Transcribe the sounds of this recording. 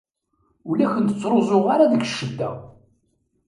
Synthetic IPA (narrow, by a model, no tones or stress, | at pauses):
ʊlæçənt̪ət͡sːɾˤozˤoʁaɾaðəɡʃːəd̪ːæ